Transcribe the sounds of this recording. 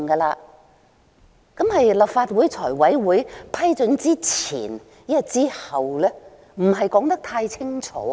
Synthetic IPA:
ŋkɐː˧laː˧ | kɐ˨˥mhɐ˨jlɐ˨p̚faː˧t̚wuː˨˥jt͡sʰɔː˨˩jwɐ˨˥jwuː˨˥jpʰɐ˥jt͡sɵ˨˥nt͡siː˥t͡sʰḭː˨˩n | jɐ˥t̚t͡siː˥hɐ˨wlɛː˥ | m̩˨˩ɦɐ˨jkɔː˨˥ŋt̪ɐ˥k̚t̪ʰaː˧jt͡sʰɪ˥ŋt͡ʃʰɔ̰ː˨˥

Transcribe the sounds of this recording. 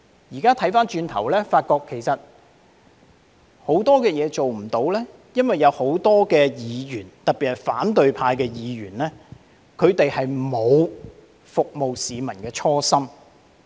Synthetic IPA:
jiː˨˩kaː˥t̪ʰɐ˨˥jfaː˥nt͡ʃyː˧nt̪ʰɐ˨˩wlɛː˥faː˧t̚kɔː˧kʰːe˨˩jsɐ˨t̚ | ho˨˥wt̪ɔː˥kɛː˧jɛː˨˧t͡ʃo˨wm̩˨˩t̪o˨˧wlɛː˥ | jɐ˥nwɐ˨jːɐ˨˧who˨˥wt̪ɔː˥kɛː˧jiː˨˧jyː˨˩nt̪ɐ˨k̚piː˨t̚hɐ˨˩jfaː˨˥nt̪ɵ˨ɥpʰaː˧jkɛː˧jiː˨˧ɥyː˨˩nlɛː˥ | kʰɵ˨˧ɥt̪e˨jhɐ˨jmo˨˧w | fʊ˨k̚mo˨wsiː˨˧mɐ˨˩nkɛː˧t͡ʃʰɔː˥sɐ˥m

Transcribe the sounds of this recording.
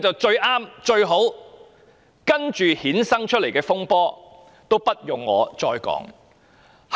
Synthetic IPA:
t͡sɐ˨wt͡ʃɵ˧ɥʔaː˥mt͡ʃɵ˧ɥɦo˨˥w | kɐ˥nt͡ʃyː˨hiː˨˥nsɐ˥ŋt͡ʃʰt̚le˨˩jkɛː˧fʊ˥ŋpɔː˥ | t̪o˥wpɐ˥t̚jʊ˨ŋːɔː˨˧t͡sɔː˧jkɔ̰ː˨˥ŋ | h

